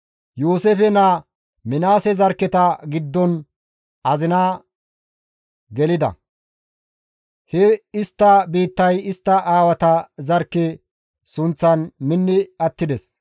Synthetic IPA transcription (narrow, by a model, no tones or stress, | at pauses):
juːsefɛnɐ | mɪnaːsɛzɐɾkːɛt̪ɐɡɪd̪ːɔn | ɐzɪnaː | ɡɛlɪd̪ɐ̰ | hɛɪst̪ːɐbiːt̪ːɐjɪst̪ːɐʔaːwɐt̪ɐzɐɾkːɛ | sʊnt͡sːɐnmɪnːɪɐt̪ːɪd̪ɛs